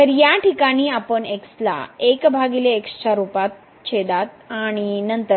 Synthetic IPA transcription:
əɾjaʈikaɽ̃iːapəɳeksla̰ekbʱaɡileːkst͡ɕaɾupat̪̚ | t͡ɕʰed̪at̪aɽ̃inənt̪ə

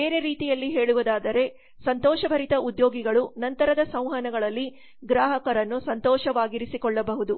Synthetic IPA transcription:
e̞ːɾeɾiːt̪ijɐlːiɦe̞ːɭuʋɐd̪aːd̪ɐɾe̞ | sɐnt̪ɔːʃɐbʱɐɾit̪ɐʔud̪joːɡiɡɐɭunɐnt̪ɐɾɐd̪ɐsɐ̃w̃ɦɐnɐɡɐɭɐlːi | ɡɾaːɦɐkɐɾɐnːusɐnt̪ɔːʃɐʋaːɡiɾisikɔɭːɐbɐɦud̪u

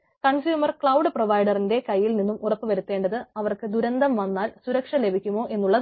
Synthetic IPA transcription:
kɐɳsjuːmɐrkɭɐwɖɨproʋɐjɖɐrinde̞kɐjːilninːumurɐpːɨʋɐɾut̪ːe̞ːɳɖɐðɨɐʋɐrkɨd̪uɾɐnd̪ɐmʋɐnːaːlsuɾɐkʂɐle̞bʱikʲːumo̞ːʔe̞nːuɭːɐ

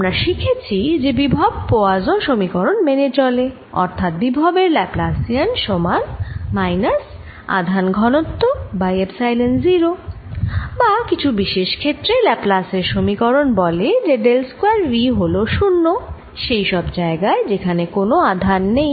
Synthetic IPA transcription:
amɾaʃikʰet͡ɕʰid͡ʑebibʱab̚poad͡ʑoʃomikɔɾonmenet͡ɕɔle | ɔ̰ɾt̪ʰat̪̚bibʱabeɾlɛplasianʃɔmanmajnas | a̰d̪ʱanɡʱɔnot̪ːobaebsajlenziɾo | bakit͡ɕʰubiʃeʃkʰet̪ːɾelɛplaseɾʃomikɔɾonbɔled͡ʑeɖelskwaɾɾiɦoloʃunːo | ʃejʃɔbd͡ʑaeɡaed͡ʑekʰanekonoad̪ʱanːej

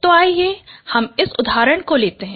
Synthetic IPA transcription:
t̪oaːijehɐmɪsʊd̪ʱaːɾəɽ̃koleːt̪eɦɛ̃

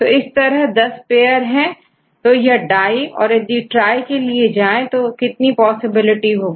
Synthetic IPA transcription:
t̪oɪst̪ɐɾəɦd̪ɐspeːəɾɦɛ̃ | t̪ojɐɖaːiɔ̰ːɾjɐd̪iʈɾaːikelied͡ʒaːẽt̪okɪt̪nipɔːsɪbɪlɪʈiɦoːɡiː

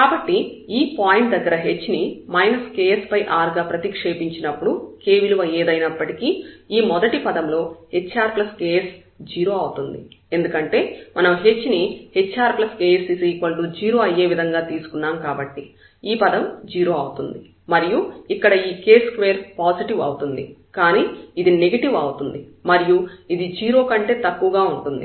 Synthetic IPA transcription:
kaːbɐʈːiiːpaːjiɳʈ̚d̪ɐɡːɐɾɐɦe̞t͡ʃːnimɐjnɐskeːspɐjʔaːɾɡaːpɾɐt̪ikʂe̞ːpiɲt͡ʃinɐpːuɽuke̞ːʋiluʋɐeːd̪ɐjnɐpːɐʈikiːiːmɔd̪ɐʈipɐd̪ɐmlo̞ːhe̞t͡ʃːaːɾplɐskeːes | d͡ʒiːɾo̞ːɐwut̪und̪ḭe̞nd̪ukɐɳʈe̞ːmɐnɐmɦe̞t͡ʃːnihet͡ʃːaːɾplɐske̞ːesisikɐlʈud͡ʒiːɾo̞ːɐjːe̞ːʋid̪ʱɐŋɡaːt̪iːsu̥kunːaːmkaːbɐʈːi | iːpɐd̪ɐmd͡ʒiːɾo̞ɐwut̪und̪i | mɐɾijuikːɐɽɐiːke̞ːskʋe̞ːɾpaːsiʈiʋɐ̰wut̪und̪ḭkaːniːid̪ine̞ɡɐʈiʋɐwut̪und̪imɐɾijuid̪id͡ʒiːɾo̞ːkɐɳʈe̞ːt̪ɐkːuʋɐɡaːuɳʈund̪ḭ

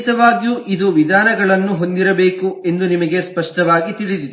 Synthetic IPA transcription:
t̪ɐʋaːɡjuʔid̪uʋid̪ʱaːnɐɡɐɭɐnːuɦo̞nd̪iɾɐbeːkue̞nd̪unimɐɡe̞spɐʂʈɐʋaːɡit̪iɭid̪id̪

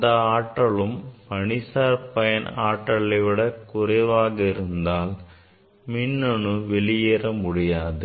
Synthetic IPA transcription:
d̪ɐaːʈːɐɭɯmpɐɳɪsaːɾpɐjɐnaːʈːɐɭɐɪʋɪɽɐkʊrɐʋaːɣɐɪɾɯnd̪aːl | mɪnːɔɳɯʋɛɭɪjeːrɐmʊɽɪjaːðɯ

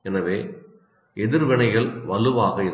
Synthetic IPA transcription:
ɛnɐʋeː | ɛðɪɾʋɪɳɐɪɣɐɭʋɐlɯʋaːɣɐɪ

